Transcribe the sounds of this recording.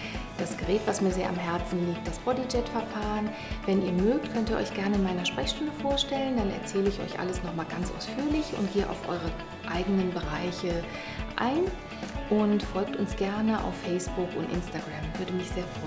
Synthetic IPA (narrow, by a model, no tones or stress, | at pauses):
d̥asɡ̥əʁɛːtv̥asmiːɐzeːɐʔamɦɛɐt͡sn̩liːk̚t̚d̥asb̥ʁɔdid͡ʒɛtfɛɐfaːʁən | vɛniːɐmøːk̚tkʰœntiːɐʔɔ̰ʏçɡ̥ɛɐnəɪnmaɪnɐʃpʁ̥ɛçʃtʊndəfoːɐʃtɛləndanɛ̰ɐt͡sɛːləɪçɔ̰ʏçʔa̰ləsnɔχmaːlɡant͡sʔa̰ʊsfyːɐlɪçʊ̰ntɡ̥eːʔa̰ʊfʔɔ̰ʏʁ̞ə | ʔaɪɡənənbəʁaɪçə | ʔa̰ɪn | ʔʊntfɔlk̚tʊnsɡ̥ɛɐnəʔa̰ʊfːɛɪsb̥ʊkʊntʔɪ̰nstaɡʁamvʏɐdəmɪçz̥eːɐfʁ̥ɔn